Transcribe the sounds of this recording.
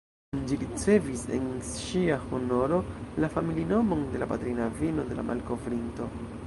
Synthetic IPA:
nd͡ʒiɾit͡se̞vise̞̰nʃiahono̞ɾo̞lafamilino̞mo̞nde̞lapatɾinavino̞de̞la̰mʔa̰lko̞vɾinto̞

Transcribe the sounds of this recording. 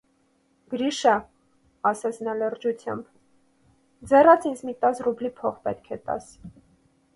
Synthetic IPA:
ɡ̥əɾiʃə | ɑsɛt͡sʰnɑlərd͡ʒut͡sʰjɑ̰mb | d͡zɛrɑt͡sʰind͡zmit̪ɑt͡srublipʰɔχpɛt̪̚kʰɛt̪ɑ̰s

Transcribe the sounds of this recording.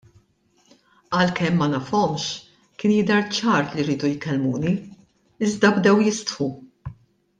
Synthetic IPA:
ɐlkɛmːɐnɐfɔmʃ | kɪːnjɪd̪ɛɾt͡ʃɐːɾliɾiːd̪ujkɛlmuːni | ɪzd̪ɐbd̪ɛwjɪst̪ħu

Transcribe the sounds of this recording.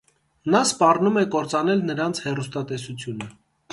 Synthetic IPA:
nɑspɑrnumɛkɔɾt͡sɑnɛlnəɾɑnt͡sʰhɛrust̪ɑt̪ɛsut͡sʰjunə

